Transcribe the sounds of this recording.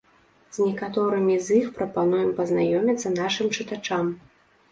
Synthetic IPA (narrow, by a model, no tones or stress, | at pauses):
z̥ʲnʲɛkat̪ɔɾɨmʲizʲixpɾɐpanujɛmpɐznajɔmʲit̪sːɐn̪aʂɨmt͡ʂɨt̪at͡ʂam